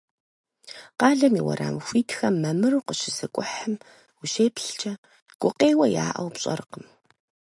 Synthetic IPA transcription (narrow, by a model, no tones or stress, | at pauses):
qɑːɮɐmiwɐ̰ɾa̰ːmxʷiːtʰxɐmːɐmɨruqəɕɪzɨkʷʼʊħəm | wʊɕeːpɬt͡ʃʼɐ | ɡ̥ʷʼʊqʼeːwɐja̰ːʔɐ̰wpɕʼɐ̰ɾqəm